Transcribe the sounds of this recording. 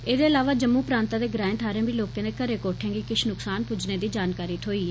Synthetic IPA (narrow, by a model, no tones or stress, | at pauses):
eːd̪eːəlaːʋaːd͡ʒəmːuːpɾãːnt̪ãːd̪eːɡɾãːɪ̃nt̪ʰaːɾẽːbiːloːkẽːneːkəɾeːkoːʈʰẽːŋɡiːkɪʃnʊksaːnpʊd͡ʒneːd̪iːd͡ʒaːnkaːɾiːt̪ʰoːiːɦɛː